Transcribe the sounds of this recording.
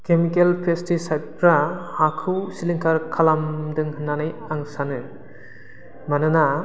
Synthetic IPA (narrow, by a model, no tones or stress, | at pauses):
kemikelpʰestisajt̚pʰɾaːkʰɯwsiliŋkʰaɾkʰalamdɯŋhɯnːanɯjaŋsanɯ | manɯna